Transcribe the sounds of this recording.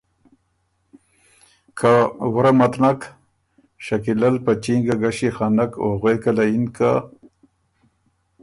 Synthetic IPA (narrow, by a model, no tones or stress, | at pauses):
kʰawɾamat̪nak | ʃakilalpat͡ʃiŋɡaɡaɕixanakoɣwekalainka